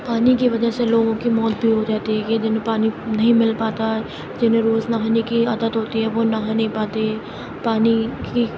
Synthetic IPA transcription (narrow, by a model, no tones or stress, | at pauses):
paːnikiʋɐd͡ʒəseloːɡõkimɔːt̪̚bʱiɦod͡ʒaːt̪iɦɛkd͡ʒɪnẽpaːninɐɦĩmɪlpaːt̪aɦɛ | d͡ʒɪnẽɾoːznaɦanekiɐd̪ət̪ɦoːt̪iɦɛʋonaɦanɐɦĩpaːt̪eɦɛː | paːniki